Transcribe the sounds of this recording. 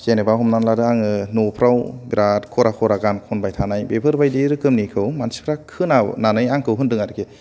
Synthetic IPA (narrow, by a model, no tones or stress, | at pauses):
kenebaɦɔmnanlaɾɯaŋɯnopʰɾawbiɾatkʰɔɾakʰɔɾaɡankʰɔnbajtʰanajbepʰɯɾbajdiɾɯkɯmnikʰɯwmansi̥pʰɾakʰɯnananɯjaŋkʰɯwɦɯndɯŋaɾɯkʰe